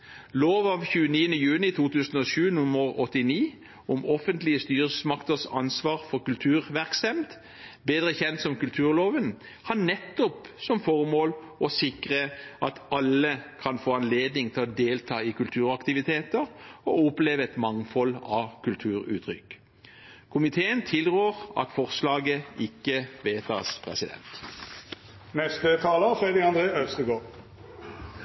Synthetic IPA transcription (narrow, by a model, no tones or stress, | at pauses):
loːʋɑʋçʉːəniːənəjʉːnɪt̪ʰuːt̪ʰʉːsən̩ɔʃʉːnʊməʁɔt̪ːɪniː | ɔmɔfənt̪lɪəst̪yːɾəsəsmɑkt̪əʁsɑ̰nsʋɑːʁfɔʁkʉlt̪ʰʉːʁʋæʁksɛmt̪ | beːd̪ɾəçɛnt̪sɔmkʉlt̪ʰʉːʁloːʋən | hɑʁnɛt̪ːɔpsɔmfɔʁmoːl | ɔsɪkʁəʔɑt̪ɑlːəkʰɑnfoːɑnleːd̪nɪŋt̪ʰɪlɔd̪eːlt̪ʰɑːɪkʉlt̪ʰʉːɾɑkt̪ɪʋɪt̪ʰeːt̪əɾɔɔpleːʋəɛt̪mɑŋfɔlɑkʉlt̪ʰʉːɾʉ̰ːt̪ʰɾʏ̰k | kʰʊmɪt̪ʰeːənt̪ʰɪlɾøːʁɑ̰t̪fɔʁslɑːɡəɪkːəʋeːt̪ʰɑ̰ːspʰʁɛ̰sɪd̪ɛ̰nt̪ | nɛst̪ət̪ʰɑːləfɾɛd̪ɪkɑnd̪ɾeːœst̪əɡoːɾ